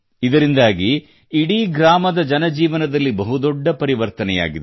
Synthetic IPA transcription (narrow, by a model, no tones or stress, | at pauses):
id̪ɐɾind̪aːɡiː | ɽiɡɾaːmɐd̪ɐd͡ʒɐnɐd͡ʒiːʋɐnɐd̪ɐlːibɐɦud̪ɔɖːɐpɐɾiʋɐɾt̪ɐnɛja̰ːɡid̪